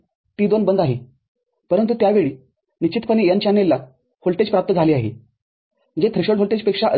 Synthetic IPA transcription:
t̪iːd̪onbənd̪aɦe | pəɾənt̪̬ut̪jaʋeɭiː | nit͡ɕit̪paniːjant͡ɕanːelːa | holʈed͡ʑpɾap̚t̪əd͡zʱaliːaɦḛ | ənd͡ʑet̪ʰɾiɕəɽɦolʈed͡ʑpekʂaʔə

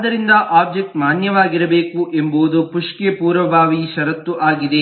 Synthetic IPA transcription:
d̪ɐɾind̪ɐʔaːb̚d͡ʒek̚ʈmaːnjɐʋaːɡiɾɐbe̞ːkuʔembuːd̪upuʂkepuːɾʋɐbʱaːʋiʃɐɾɐt̪ːuʔaːɡid̪e̞

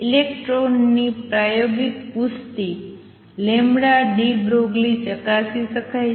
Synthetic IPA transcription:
ilekʈɾonːipɾajoɡit̪pust̪i | lemɽaɖibɾoɡlit͡ʃəkasiʃəkʰaj

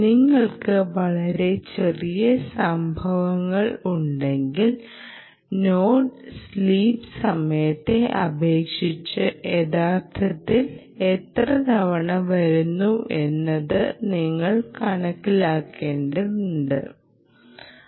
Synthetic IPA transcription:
niŋːɐɭkɨʋɐɭɐɾe̞t͡ɕe̞rijɐsɐmbʱɐʋɐŋːɐɭuɳɖe̞ŋɡil | noːɖsliːpsɐmɐjɐt̪ːe̞ʔɐbʱe̞ːkʂit͡ɕːɨʔe̞ðaːt̪ʰːɐt̪ːil | et̪rɐd̪ʱɐʋɐɳɐʋɐɾunːuʔe̞nːɐðɨniŋːɐɭkɐɳɐkːilaːkːe̞ːɳɖɐuɳɖɨ̰

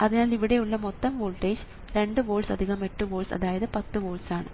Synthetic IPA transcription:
ɐðinaːliʋiɽe̞juɭːɐmot̪ːɐmʋoːlʈeːd͡ʑ | ɾe̞ɳɖɨʋoːlsɐd̪ʱiɣɐmeʈːɨʋoːlsɐ̰ðaːjɐðɨpɐt̪ːɨʋoːlsaːɳɨ

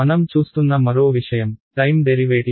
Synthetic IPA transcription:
ɐnɐmt͡ʃuːst̪unːɐmɐɾoːʋiʂɐjɐmʈɐjmɖeɾiʋeːʈi

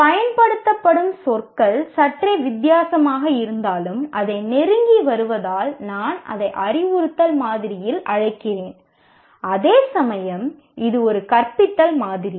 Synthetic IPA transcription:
pɐjɐnpɐɽɯt̪ːɐpːɐɽɯmsɔrkɐɭsɐʈrɐʋɪd̪jaːsɐmaːɣɐɪɾɯnd̪aːlɯmʔɐðɐɪnɛɾɯŋɡiʋɐɾɯʋɐðaːlnaːnɐ̰ðɐɪʔɐɾɪʋʊɾɯt̪ːɐlmaːðɪɾɪjɪlɐɻɐɪkːɪreːn | ɐðeːsɐmɐjɐm | ʔɪðɯɔɾɯkɐrpɪt̪ːɐlmaːðɪɾi

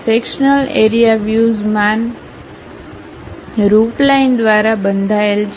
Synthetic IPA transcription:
sekʃnəleɾijaʋjuzmãn | ɾuʈlaind̪ʋaɾabənd̪ʱaelt͡ʃ

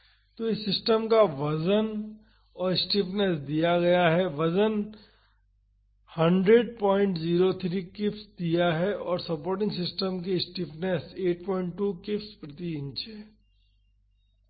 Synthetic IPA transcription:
t̪oɪsːɪsʈəmkaʋɐzən | ɔːɾɪsʈɪpnɛsd̪ijaɡɐjaɦɛʋɐzən | hɐ̃ɳɖɾeɖpɔ̃ːɪ̃ɳʈziːɾot̪ʰɾikɪpsd̪ijaɦɛʔɔːɾsɐpoːɾʈɪ̃ŋɡsɪsʈəmk̬eɪsʈɪpnɛseːʈ̚pɔːɪ̃ɳʈːuːkɪfspɾɐt̪iɪ̃nt͡ʃʰɛː

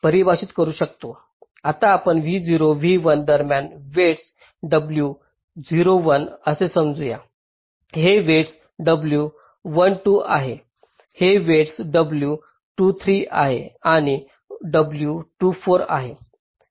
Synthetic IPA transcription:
pəɾibʱaɕiːt̪kəɾuːɕəkt̪o | at̪aːpəɳʋiːd͡ziɾoʋiːʋənd̪əɾmjanʋeʈs | ɖəblju | d͡ziɾoʋənəsesəmd͡zuja̰ | ɦeʋeʈs | ɖəblju | ʋənʈuːaɦe | heʋeʈsɖəblju | ʈuːt̪ʰɾiːa̰ɦeaɽ̃i | ɖəbljuʈuːfoɾa̰ɦe

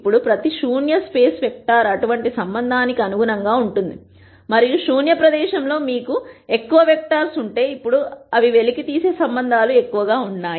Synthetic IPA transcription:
pːuɽupɾɐt̪iʃuːnjɐspe̞ːsʋek̚ʈaːɾɐʈuʋɐɳʈisɐmbɐnd̪ʱaːnikiɐnuɡunɐŋɡaːuɳʈund̪i | mɐɾijuʂuːnjɐpɾɐd̪ɛːʃɐmlo̞ːmiːkue̞kːuʋɐʋek̚ʈaːɾsuɳʈe̞ːipːuɽuɐʋiʋe̞likit̪iːse̞ːsɐmbɐnd̪ʱaːlue̞kːuʋɐɡaːuɳːaː

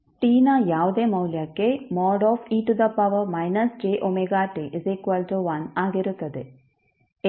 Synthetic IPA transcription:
ʈiːnɐjaːʋud̪eːmɐwljɐkːemɔːɖɔːfʰiːʈud̪ɐpɐʋɐmɐjnɐsd͡ʒeːʔomeɡaːʈeʔzekuʋɐld͡ʒoʋɐnaːɡiɾut̪ːɐd̪e

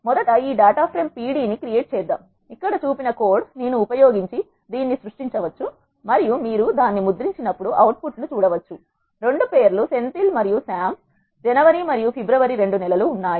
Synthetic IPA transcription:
mɔd̪ɐʈɐiːɖaːʈaːpʰɾempiːɽiːnikɾijeːʈ̚t͡ʃɛːd̪ːa̰ːm | ikːɐɽɐt͡ʃuːpinɐko̞ːɾɖsneːnuːpɐjoːɡiɲt͡ʃi | d̪iːnːisɾuʂʈiɲt͡ʃɐʋɐt͡ʃːu | mɐɾijumiːɾud̪aːnːimud̪ɾiɲt͡ʃinɐpːuɽuʔɐwʈ̚puʈnut͡ʃuːɽɐʋɐt͡ʃːu | ɾe̞ɳɖupeːɾluse̞nt̪ilmɐɾijusaːm | d͡ʒɛnɐʋɐɾimɐɾijupʰibɾɐʋɐɾiɾe̞ɳɖunɛlɐluːnːaːji

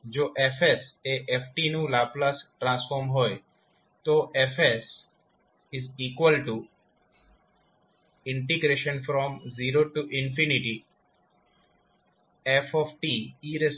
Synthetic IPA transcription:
d͡ʒoːʔefeseʔefʈinũlaplasʈɾãnsfɔɾmɦoj | t̪oʔefes | ɪziːkwəlʈu | ɪ̃ɳʈiɡɾeʃə̃nfɾɔmziɾoʈuʔɪ̃nfiniʈi | efɔfʈiiɾes

